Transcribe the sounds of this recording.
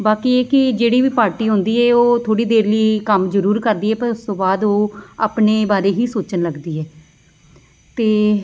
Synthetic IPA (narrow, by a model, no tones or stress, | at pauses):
baːkiːeːkɪd͡ʒeːɽiːʋiːpaːɾʈiːɦõnd̪iːɛːoːt̪ʰoːɽiːd̪eːɾləiːkəmzəɾuːɾkəɾd̪iːɛːpəɾʊst̪õːbaːd̪oːa̰ːpneːbaːɾeːɦiːsoːt͡ʃənləɡd̪iːɛː | t̪eː